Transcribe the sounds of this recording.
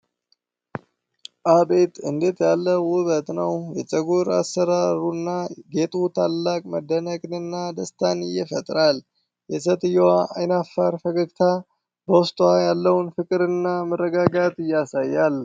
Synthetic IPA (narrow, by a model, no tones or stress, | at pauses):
ʔabe̞t̪ʼɨnd̪et̪jalːəwʊβət̪nəwjɛt͡ʃʼəɡuɾa̰sːəɾaɾunːaɡe̞t̪ʼut̪ʰalːakʼməd̪ːənəkʼnɨnːad̪əst̪ʰanɪjɛfət̪ʼɾal | jɛsət̪ʼɨjːɛwaʔajnafːaɾfəɡəɡt̪ʰa | bəwʊst̪ʼwajalːəwnfɨkʼɨɾɨnːamɨrːəɡaɡat̪ɨjːasajːal